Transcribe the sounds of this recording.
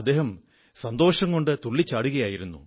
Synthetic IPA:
ɐd̪ːe̞ːɦɐm | sɐnd̪o̞ːʂɐŋko̞ɳɖɨt̪uɭːit͡ɕːaːɽuɣɐjaːjiɾunːṵ

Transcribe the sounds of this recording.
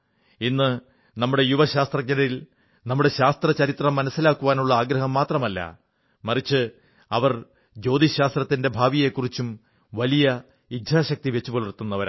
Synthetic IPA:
inːɨ | nɐmːuɽe̞juʋɐɕaːst̪rɐk̚ɲɐnɐɾil | nɐmːuɽe̞ɕaːst̪rɐt͡ɕɐɾit̪rɐmːɐnɐsːilaːkːuʋaːnuɭːɐaːɡɾɐɦɐmːaːt̪rɐmɐlːɐ̰ | mɐrit͡ɕːɨ | ɐʋɐr | d͡ʑo̞ːd̪iɕaːst̪rɐt̪ːinde̞bʱaːʋije̞kːurit͡ɕːum | ʋɐlijɐ | idʱaːɕɐk̚t̪iʋe̞t͡ɕːupolurt̪ːunːɐʋɐɾ

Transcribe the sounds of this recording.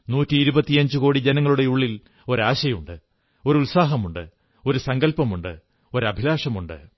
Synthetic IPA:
nuːtːiːɾubɐt̪ːiɐɲd͡ʑuko̞ːɽid͡ʑenɐŋːɐɭuɽe̞uɭːil | o̞ɾaːɕɐjuɳɖɨ | o̞ɾulsaːɦɐmuɳɖɨ | o̞ɾusɐŋɡɐlpɐmuɳɖɨ̰ | o̞ɾɐbʱilaːʂɐmuɳɖɨ̰

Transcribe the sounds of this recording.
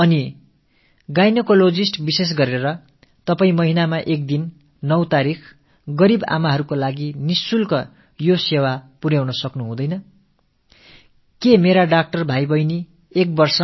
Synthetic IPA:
ʌni | ɡajnʌkolod͡zisʈbises̬ɡʌɾeɾʌ | t̪ʌpaĩmʌɦinamaʔek̚d̪inː | ʌwt̪aɾikʰ | ɡʌɾiba̰maɦʌɾukolaɡinisulkʌ | josewapuɾjawnʌsʌknuɦũd̪ʌjnʌ | kemeɾaɖak̚ʈʌrbʱajbʌjni | ek̚bʌrsʌ

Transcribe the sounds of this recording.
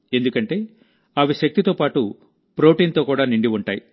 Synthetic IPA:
e̞nd̪ukɐɳʈe̞ː | ɐʋiʃɐk̚t̪it̪o̞ːpaːʈu | pɾo̞ːʈiːnt̪o̞ːkuːɽaːniɳɖiuɳʈaːji

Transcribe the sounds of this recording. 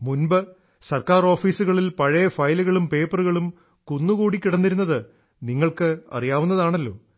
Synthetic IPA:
munbɐ | sɐrkaːro̞ːfiːsuɣɐɭilpɐɻɐjɐfɐjluɣɐɭumpe̞ːpɐruɣɐɭum | kunːukuːɽikʲːiɽɐnːiɾunːɐðɨ | niŋːɐɭkɨɐ̰rijaːʋunːɐðaːɳɐlːo̞̰ː

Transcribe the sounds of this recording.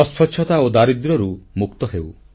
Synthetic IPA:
ɔspʰɔkʰːɔt̪aod̪aɾid̪ɾɔɾumuk̚t̪ɔɦew

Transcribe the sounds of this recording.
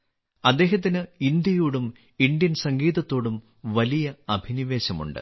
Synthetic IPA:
ɐd̪ːe̞ːɦɐt̪̬ːinɨind̪jɐjuːɽum | ind̪jɐnsɐŋɡiːðɐt̪ːo̞ːɽum | ʋɐlijɐɐbʱiniʋe̞ːɕɐmṵɳɖɨ̰

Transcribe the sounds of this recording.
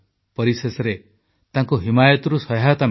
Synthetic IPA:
pɔɾisesɔɾe | t̪ãŋkuɦimajɔt̪ɔɾusɔɦɦat̪a

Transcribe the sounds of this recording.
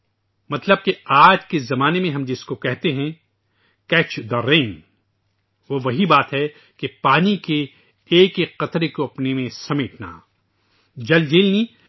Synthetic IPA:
mɐt̪ləb̚keaːd͡ʒkezɐmaːnemẽɦɐ̃md͡ʒɪskokɛɦt̪eɦɛ̃ | kɛːt͡ʃd̪ɐɾeːn | ʋoʋɐɦibaːt̪ɦɛ | kepaːnike | eːkeqːɐt̪ɾekoɐpnemẽsɐmɪʈna̰ː | d͡ʒɐld͡ʒeːlni

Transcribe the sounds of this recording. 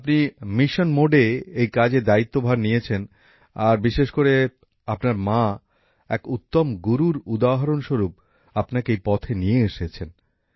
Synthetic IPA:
apnimiʃonmoɖeejkad͡ʑed̪ait̪ːobʱaɾnijet͡ɕʰen | aɾbiʃeʃkoɾe | apnaɾma | ɛkut̪ːomɡuɾuɾud̪aɦaɾonʃoɾup̚ | apnakeejpɔt̪ʰenijeeʃet͡ɕʰen

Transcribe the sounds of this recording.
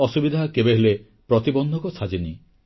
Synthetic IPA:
ɔsubid̪ʱakebeɦele | pɾɔt̪ibɔnd̪ʱɔkɔsʰad͡ʒini

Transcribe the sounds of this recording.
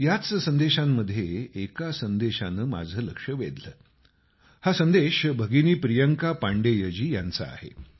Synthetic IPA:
jat͡ssənd̪eɕamːəd̪ʱːjeːkasənd̪eɕanəːma̰d͡zʱəːləkʂəʋḛd̪ləː | hasənd̪eɕbʱəɡiniːpɾijəŋkapaɳɖejəd͡ʑiːja̰nt͡sə̰a̰hḛ

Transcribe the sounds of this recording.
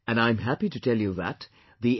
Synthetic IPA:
ɨ̃ñãɪ̃mɦæpitɨtʰɛlˠjuðə̰t | ði

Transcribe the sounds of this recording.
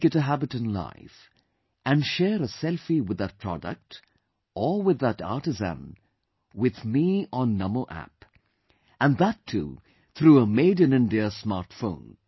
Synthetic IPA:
ɨɾɨɦæbɨtɨ̃nla̰ɪf | ɨ̃nʃɛɾəsɛlˠfiwɨðət̚pʰɹ̥ɑdə̰k̚t | ʔəwɨðəɾɑ̰ɹtɨzə̰̃n | wɪðmiə̃nːʌmoʔæ̰p | ə̃nðətʰːṵ | θɾuəmeɪdɨ̃nɪ̃ndiəsmɑɹtfõ̰ʊ̃n

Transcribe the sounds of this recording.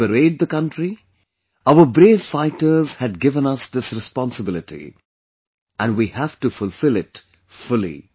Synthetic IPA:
əɾeɪd̚d̪əkʌ̃nʈɾi | aʊəbɾeːvfaɪtə˞z̥hɨd̚ɡɪvə̃nʌsd̪ɪsɾɨspɑ̃nsəbɪlˠɪʈḭ | ʔæ̃nwihæfʈufʊlˠfɪlɪt | fʊlḭ

